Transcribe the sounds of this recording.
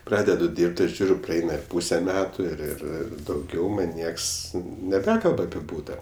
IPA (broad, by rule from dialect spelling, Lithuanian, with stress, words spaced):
ˈprɑːdʲɛdʊ ˈdʲiːrpt ɪr ˈʒʲuːrʲʊ prɐˈɛɪnɐ ɪr ˈpuːsʲɛ ˈmʲæːtʊ ɪr ɪr ˈɪr dɐʊˈɡʲɛʊ ˈmɐnʲ ˈnʲiɛks nʲɛˈbʲæːkɐlˠp ɐpʲɪ ˈbuːtɐ